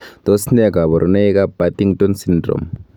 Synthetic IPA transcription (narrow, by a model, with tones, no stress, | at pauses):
d̪̥ɔ˦snɛ˦˨ɡa˨βɔ˨ɾʔu˨ne˦i˦ka˦ba˦ti˦ŋtɔ˦nsindrɔ̰˨m